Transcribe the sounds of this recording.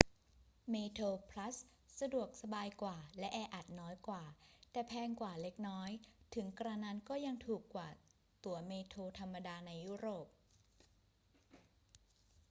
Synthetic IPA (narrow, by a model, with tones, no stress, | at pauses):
meː˧t̪ʰoː˧pʰla˦˥sː | a˧du˨˩ək̚sa˧baː˧jkwaː˨˩lɛ˦˥ʔɛː˧ʔa˨˩t̪̚nɔː˦˥jkwaː˨˩t̪ɛː˨˩pʰɛː˧ŋkwaː˨˩le˦˥k̚nɔː˦˥jt̪ʰɯ˩˦ŋkɾa˧na˧˥nkɔː˥˩ja˧ŋt̪ʰuː˨˩kːwaː˨˩ | t̪u˨˩˦ɐmeː˧t̪ʰoː˧t̪ʰa˧mːa˧daː˧na˧jːu˦˥ɾoː˨˩p̚